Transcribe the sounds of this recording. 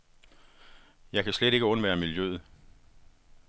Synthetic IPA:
jɑ̈ɪkʰæsled̥e̝ɡ̥əɔ̽nʋæːɐmiljøð̩ˠ

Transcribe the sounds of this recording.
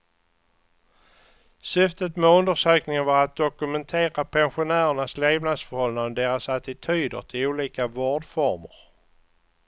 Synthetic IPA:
sʏft̪ət̪mɛɵnd̪əʂøːknɪŋənvaɾat̪̚d̪ɔkɵmɛnt̪ʰeːɾapʰɛnɧʊnæːɾəɳasleːvnad̪sfœɾhɔlnanəd̪eːɾasat̪ɪt̪ʰyːd̪ə̰ɾʈʰɪluːliːkavoːɖfɔɾməɾ

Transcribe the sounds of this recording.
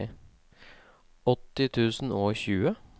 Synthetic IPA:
ɔt̪ːɪt̪ʰʉːsn̩oːçʉːə

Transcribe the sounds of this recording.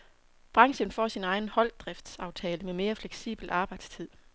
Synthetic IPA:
b̥ʁɑ̈ŋɕənfɒ̰ːsinɑ̈ɪn̩hɒ̽l̰d̥ʁɛfd̥sɑ̈ʊt͡sʰɛːləmeme̝ːɐfleɡ̥sḭːb̥l̩ɑ̈ːb̥ɑ̈ɪd̥st͡sʰið̰ˠ

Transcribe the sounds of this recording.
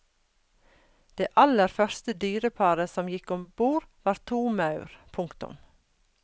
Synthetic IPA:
d̪̥eːʔɑləɾfœɾst̪əd̪yːɾəpʰɑɾəsɔmjɪkɔmbuːɾʋɑːɾt̪ʰuːmɑʉɾpʰʊŋkt̪ʊ̰m

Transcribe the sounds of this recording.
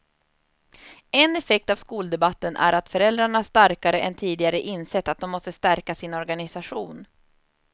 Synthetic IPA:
ɛnɛfɛk̚t̪avskuːld̪ɛbat̪ːənʔæ̰ɾat̪fœɾɛld̪ɾaɳahaʂt̪aɾkaɾəʔɛnt̪ʰiːd̪ɪɡaɾəʔɪnːsɛt̪ːat̪̚d̪ɔmːɔst̪əst̪æɾkasɪnɔɾɡanɪsaɧuːn

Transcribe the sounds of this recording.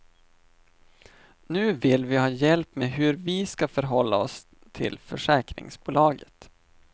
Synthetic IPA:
nʉ̟ːvɪlvɪhɑːjɛlpmeɦɵɾvɪskafœɾɦɔlːa̰ɔs | t̪ʰɪ̰lfœʂɛːkɾɪ̰ŋsbuːlɑːɡət̪

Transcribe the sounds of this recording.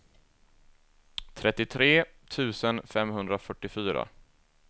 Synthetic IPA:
t̪ʰɾʔɛt̪ːɪt̪ʰɾeːt̪ʰʉ̟ːsənfɛmhɵnd̪ɾafœʈːɪfyːɾa̰

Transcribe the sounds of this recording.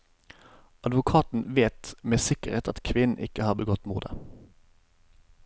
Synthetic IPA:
ɑd̪ʋʊkʰɑːt̪n̩ʋeːt̪meːsɪkəʁeːt̪ʰɑt̪kʰʋɪnn̩ʔɪkəhɑːʁbəɡɔt̪mṵːd̪ə̰

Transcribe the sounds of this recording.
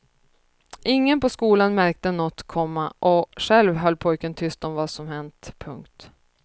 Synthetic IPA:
ʔɪŋːənpɔskuːlanmæɾk̚t̪ənɔt̪ːkʰɔmːaʔɔɧɛlvɦœlːpʰɔjkənt̪ʰʏst̪ɔmvaːsɔmhɛnt̪pʰɵŋkt̪

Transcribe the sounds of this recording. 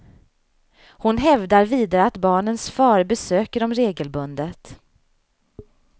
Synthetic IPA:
hʊnɦɛvd̪aɾviːd̪aɾəat̪bɑːɳənsfɑːɾbɛsøːkəɾɔmɾeːɡəlbɵnd̪ət̪

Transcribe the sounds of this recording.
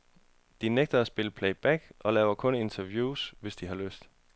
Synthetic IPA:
d̥ineɡ̥̚d̥ɐæsb̥e̝ləpʰleɪb̥æɡ̥ʔɒ̽lɛːʊɐkʰɔ̽ne̝nt͡sʰɐʋjuːsʋe̝sd̥iɦɑ̈løsd̥

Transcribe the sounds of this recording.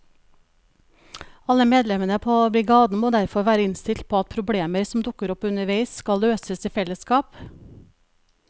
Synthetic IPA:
ɑləmeːd̪lɛmənəpʰoːb̪ɪːɡɑːd̪n̩əmoːd̪æɾfɔɾʋæːɾəɪnst̪ɪlt̪̚pʰoːɑt̪̚pʰɾʊbɽeːməɾsɔm̩d̪ʊkəɾɔpʉnəʋeɪskɑlløːsəsiːfɛləskɑːp

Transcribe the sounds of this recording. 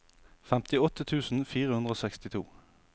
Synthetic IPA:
fɛmt̪ɪɔt̪ət̪ʰʉːsn̩fiːʁəhʉnʁoːsɛkst̪ɪt̪ʰṵː

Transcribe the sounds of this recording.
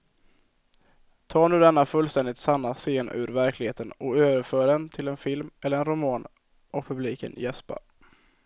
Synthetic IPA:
t̪ʰɑːɳʉ̟ːd̪ɛnːafɵlst̪ɛnd̪ɪt̪sanːaseːnʉ̰ːɾvæɾklɪɡheːt̪ənɔøːvəɾføːɖɛnt̪ʰɪlɛnfɪlmɛlːəɾɛnɾʊmɑːn | ʔɔkpʰɵbliːkə̰njɛspa̰ɾ

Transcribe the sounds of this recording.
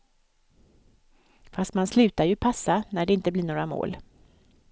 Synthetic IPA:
fast̪manslʉ̟ːt̪ajɵpʰasːanæɖɛɪnt̪əblɪɳoːɾamo̰ːl

